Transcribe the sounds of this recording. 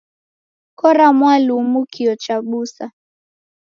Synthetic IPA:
kɔɾamwalumukʰiɔt͡ʃaɓusa

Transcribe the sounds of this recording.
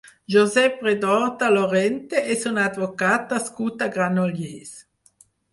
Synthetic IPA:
ʒozɛpʁed̪ɔʁt̪aloʁɛnt̪eʔesunad̪vokat̪askut̪aɡʁanoljes

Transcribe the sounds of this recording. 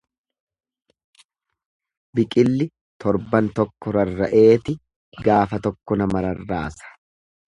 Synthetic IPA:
bɪkʼɪlːɪ | t̪ɔɾbɐnt̪ɔkːɔɾɐrːɐʔe̞ːt̪ɪ | ɡaːfɐt̪ɔkːɔnɐmɐɾɐrːaːsɐ̥

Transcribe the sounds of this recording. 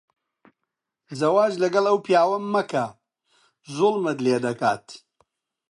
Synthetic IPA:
zɐwaːd͡ʒlɐɡɐlˠɐwpijaːwɐmːɐkʰɐ | zʊlˠmɐt̪leːd̪ɐkaːt̪

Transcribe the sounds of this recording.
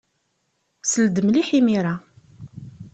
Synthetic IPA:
səld̪əmliħimiɾˤa

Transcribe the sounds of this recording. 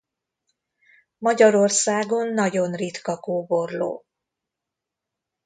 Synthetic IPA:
mɒɟɒɾorsaːɡo̞nːɒɟo̞nrit̪kɒkoːbo̞rlo̰ː

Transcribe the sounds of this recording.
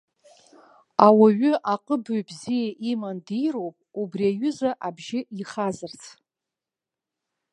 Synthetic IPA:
awaɥʏʔaqʼəbujbzijaʔimandijro̞wpʼubriaɥʏzaʔabʒɪiχazɨrt͡sʰ

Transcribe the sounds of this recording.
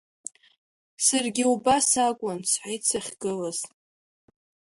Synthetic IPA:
sarɡʲɪubasakʷʼʊnt͡sʰħʷajt͡sʰaχʲɡ̥ɨlaz̥

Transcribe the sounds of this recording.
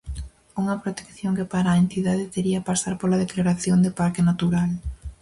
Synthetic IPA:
uŋɐpɾot̪e̥kθjoŋkɪpaɾaent̪iðaðɪt̪eɾiɐpasaɾpolaðeklaɾaθjoŋd̪ɪpaɾkɪnat̪uɾal

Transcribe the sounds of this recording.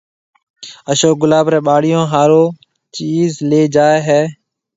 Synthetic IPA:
əʃoːk̚ɡʊlaːbɾeːɓaːɽɪjõːɦaːɾoː | t͡ʃiːzleːd͡ʒaːeːɦɛː

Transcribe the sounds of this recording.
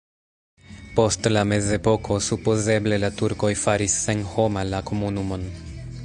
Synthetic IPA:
po̞stlame̞ze̞po̞kʰo̞supoze̞ble̞latuɾko̞jfaɾisːe̞nho̞malakomunumo̞n

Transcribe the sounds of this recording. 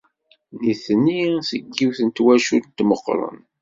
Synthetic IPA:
niθnisəɡːiwθənt̪wæʃult̪məqːɾˤə̰n

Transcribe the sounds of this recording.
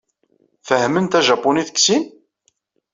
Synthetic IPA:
fəhmənt̪æʒɑpːuniθə̥ksin

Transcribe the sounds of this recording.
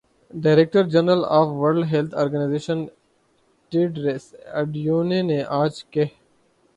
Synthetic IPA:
ɖaːɪɾek̚ʈəɾd͡ʒɐnɾəlaːfʋɐɾɖɦelt̪ʰoːɾɡənajzeːʃən | ʈeːɖɾesɐɖjuːneneʔaːd͡ʒke

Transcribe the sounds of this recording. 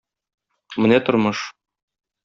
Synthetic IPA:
mɘ̆næt̪ŏɾmɤʃ

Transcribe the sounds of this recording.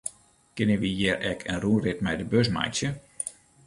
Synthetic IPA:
kɪnəʋijɛrʔɛkʰənruːnrɪt̚mɛjdəbøs̬ma̰jtsjə

